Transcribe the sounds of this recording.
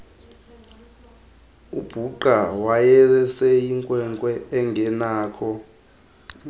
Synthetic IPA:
ub̥ʱuǃawajɛɛsɛjiŋkʼwɛŋkʼwɛʔɛŋɡʱɛnaːkʰɔ

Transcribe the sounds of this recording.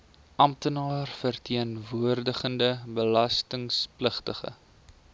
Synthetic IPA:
ʔɐmtənɑːrfərtʰiənvuərdəχəndəbəlɐstəŋspləχtəχə̰

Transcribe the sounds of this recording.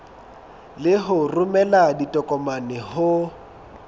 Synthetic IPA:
lɪɦʊrʊmɛladitʼɔkʼɔmanɪhʊ

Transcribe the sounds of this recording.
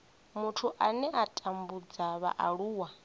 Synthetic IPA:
mutʰuʔanɛʔatʼambud͡zaβa̰ʔaɺuːwa

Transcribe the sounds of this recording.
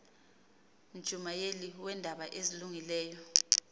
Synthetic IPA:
m̩d̥ʒ̥ʱumajeliwɛndʱaɓaʔeziluŋilɛːjɔ

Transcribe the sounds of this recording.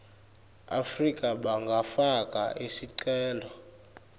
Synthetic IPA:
a̰frikʼaɓaŋɡʱafakʼa̰ʔesiǀɛːlɔ

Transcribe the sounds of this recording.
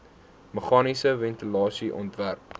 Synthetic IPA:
məχɑːnisəvɛntilɑːsiʔɔ̰ntværp

